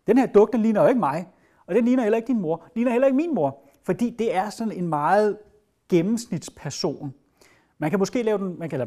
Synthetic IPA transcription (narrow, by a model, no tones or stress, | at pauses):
d̥enhe̝ɐ̰d̥ɔ̽ɡ̥̚d̥enliːnɐjoe̝ɡ̥əmɑ̈ɪ | ɒ̽d̥enliːnɐɦel̰ɐe̝ɡ̥d̥inmo̝ɐliːnɐhelɐe̝ɡ̥minmo̝ɐ | fɒ̽d̥ḭːd̥e̝æɐsɒ̽ne̝nmɑ̈ːð̩ˠ | ɡ̥emm̩snid̥spʰæɐso̝̰ːn | mænkʰæmɔ̽sɡ̥e̝̰ːlɛːʊd̥enmænkʰæl